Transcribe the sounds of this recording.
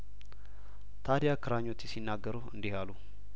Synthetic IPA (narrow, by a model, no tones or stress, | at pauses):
t̪ʰad̪ijakʰɨɾaɲːot͡ʃːɪsinːaɡːəɾuɨ̰nd̪ihalu